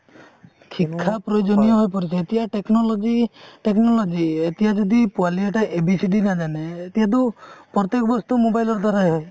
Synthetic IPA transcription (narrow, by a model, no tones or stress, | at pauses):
kʰikʰːapɾɔjod͡ʒɔnijɔɦojp̬ɔɾit͡ʃʰeet̪iaʈeknɔlɔd͡ʒiʈeknɔlɔd͡ʒiet̪iɦad͡ʒɔd̪ipualieʈaʔebisiɖinad͡ʒaneːt̪iɦat̪̬upɾɔt̪ekɔbɔst̪umobajlɔɾd̪ʱwaɾaɦe